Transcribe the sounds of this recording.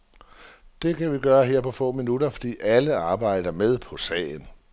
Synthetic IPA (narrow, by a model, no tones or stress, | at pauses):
d̥e̝kʰæʋiɡ̥ɶːɐɦeɐ̰pʰɒ̽fɔ̰̽ːminudɐfɒ̽d̥ḭːʔæləɑ̈ːb̥ɑ̈ɪ̰d̥ɐmeð̞ˠpʰɒ̽sɛ̰ːɪn